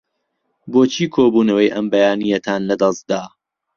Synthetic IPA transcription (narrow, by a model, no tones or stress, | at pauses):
boːt͡ʃʰiːkʰoːbuːnɐwɐjʔɐmbɐjaːnijɐt̪ʰaːnlɐd̪ɐst̪̚d̪aː